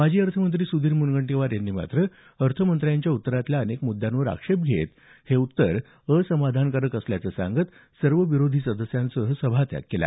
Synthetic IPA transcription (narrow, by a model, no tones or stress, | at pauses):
mad͡ʑʱiːəɾt̪ʰəmənt̪ɾiːsud̪ʱiːɾmunɡəɳʈeʋaɾjanːiːma̰t̪ɾə | əɾt̪ʰəmənt̪ɾjaɲt͡ɕjaut̪ːəɾat̪ljaənekmud̪ʱːjanʋəɾa̰kʂep̚ɡʱḛt̪ | heut̪ːəɾ | əsəmad̪ʱankəɾəkəsljat͡səsã̰ŋɡət̪ | səɾʋəʋiɾod̪ʱiːsəd̪əsjãnsəɦəsəbʱat̪ja̰kkːela̰